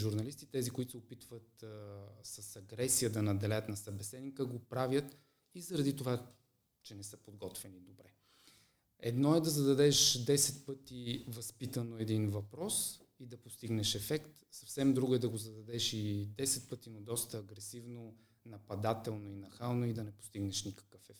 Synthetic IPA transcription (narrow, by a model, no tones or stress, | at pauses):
ʒuɾnɐlist̪it̪ɛzikʊit̪ʊ̥sɛopit̪vət̪ | sɐsɐɡɾɛsijəd̪ɐnɐd̪ɛlɛjət̪nɐsɐbɛsɛd̪nikəɡopɾavjət̪ | izɐɾɐd̪it̪ova | t͡ʃɛnɛsəpod̪ɡɔt̪vɛnid̪obɾɛ | ɛd̪nɔɛd̪ɐzɐd̪ɐd̪ɛʃd̪ɛsɛt̪̚pɤt̪ivɐspit̪ənoɛd̪invɐpɾɔs | id̪ɐpost̪iɡnɛʃɛfɛkt̪sɐfsɛmd̪ɾuɡʊɛd̪ɐɡozɐd̪ɐd̪ɛʃid̪ɛsɛt̪̚pɤt̪inod̪ɔst̪əːɡɾɛsivno | nɐpɐd̪at̪ɛlˠnoinɐxalˠnoid̪ɐnɛpo̥st̪iɡnɛʃnikɐ̥kəfɛfɛ